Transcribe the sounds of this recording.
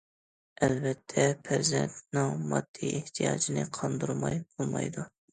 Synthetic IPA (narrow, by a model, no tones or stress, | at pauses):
ɛlbɛt̪ʰːɛpʰɪɾzɛ̰nt̪nɪŋmɑd̪̥ːieht̪ʰijɑːd͡ʒinɪqʰɑnd̪uɾmɑjbolˠmɑ̰jd̪u